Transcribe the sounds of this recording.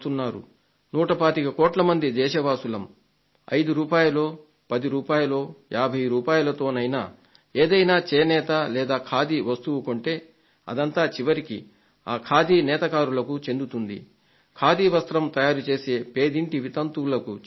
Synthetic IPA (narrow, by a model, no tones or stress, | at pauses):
t̪unːaːɾṵ | nuːʈɐpaːt̪ikɐkoːʈlɐmɐnd̪id̪ɛːʃɐʋaːsulɐm | ɐ̰jd̪uɾuːpaːjɐlo̞ː | pɐd̪iɾuːpaːjɐlo̞ːjaːbʱɐjɾuːpaːjulɐt̪o̞ːnɐjna̰ː | eːd̪ɐjnaːt͡ʃɛːnɛːt̪ɐlɛːd̪aːkʰaːd̪iʋɐst̪uʋuko̞ɳʈe̞ː | ɐ̰d̪ɐnt̪aːt͡ʃiʋɐɾiki | aːkʰaːd̪iːnɛːt̪ɐkaːɾulɐkut͡ʃe̞nd̪ut̪und̪ḭ | kʰaːd̪iʋɐst̪ɾɐmt̪ɐjaːɾut͡ʃe̞ːse̞ːpe̞ːd̪iɳʈiʋit̪ɐnt̪ulɐku